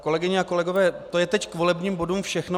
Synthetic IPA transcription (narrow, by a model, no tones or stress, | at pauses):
ko̞lɛɡɪɲɛako̞lɛɡo̞vɛːt̪o̞jɛt̪ɛckvo̞lɛbɲiːmbo̞dumfʃɛxno